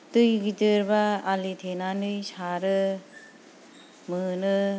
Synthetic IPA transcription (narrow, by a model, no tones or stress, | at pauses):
tɯjɡitɯɾbaalit̪ʰenanɯjsʰaɾɯ | mɯnɯ